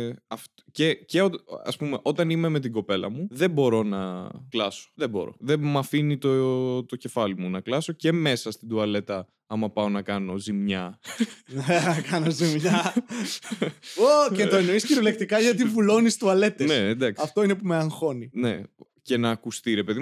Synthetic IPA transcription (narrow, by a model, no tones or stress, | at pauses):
ɐf | ceceotɐ̰spume̞ʔo̞t̪ɐnime̞me̞t̪̬iɡo̞pe̞lɐ̰muðe̞bo̞ɾo̞nɐ̰klɐso̥ðebo̞̰ɾo̞̰ðemɐfinit̪ot̪o̞ce̞fɐlimunɐklɐso̞ce̞me̞sɐst̪id̪uɐle̞t̪ɐ | ɐmɐpɐo̞nɐkɐno̞zimɲɐnɐkɐnozimɲɐ | ocent̪oeno̞isçiɾolek̚t̪ikɐʝɐt̪̬ivulo̞nist̪uɐle̞t̪ensed̪ɐkɐft̪o̞ine̞pumeɐŋxo̞nine̞ | ce̞nɐːkust̪iɾe̞pe̞ði